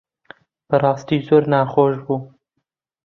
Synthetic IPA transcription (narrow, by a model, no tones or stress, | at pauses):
b̥ɨrˤɑːst̪iːzoːɾnaːxoːʒbuː